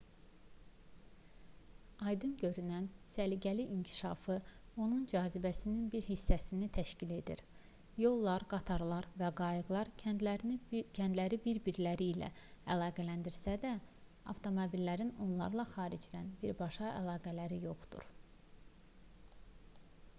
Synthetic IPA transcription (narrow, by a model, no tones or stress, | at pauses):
ɑjd̪ɯnɟø̞ɾynænsæliɟæliʔincʰi̥ʃɑfɯo̞nund͡ʒɑːzibæsininbiɾɦisːæsinit̪ʰæʃcile̞d̪ḭɾ | jo̞lˠːɑɾɡɑt̪ʰɑɾlˠɑɾvæɡɑjɯɡlˠɑɾlcʰænd̪læɾibiɾbiɾlæɾiːlæ̰ælˠɑːɡælænd̪iɾsæd̪æ | ɑ̰ft̪ʰo̞mobilːæɾino̞̰nlˠɑ̰ɾlˠɑxɑːɾid͡ʒd̪ænbiɾbɑʃɑʔæ̰lˠɑːɡælæɾijo̞χd̪ṵɾ